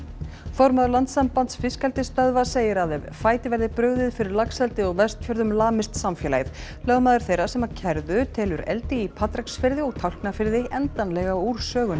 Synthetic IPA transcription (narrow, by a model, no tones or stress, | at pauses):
fɔwɾmaːðʏɾlant̪sampant̪sfɪskalt̪ɪst̪œðvaseːjɪɾaðɛvfaːjt̪ɪvɛɾðɪpɾœːɥðɪðfɪɾɪɾlaksɛlt̪ɪɔɣvɛst̪fjœɾðʏmlaːmɪst̪samfjɛːla̰jðlœːɣmaːðʏɾ̥θejɾasɛmaðcʰɛɾðʏt̪ʰɛːlʏɾɛ̰lt̪ɪipʰaːt̪ɾaksfɪɾðɪɔɣt̪ʰawl̥knafɪɾðɪɛnt̪anlɛɣauɾ̥sœːɣʏn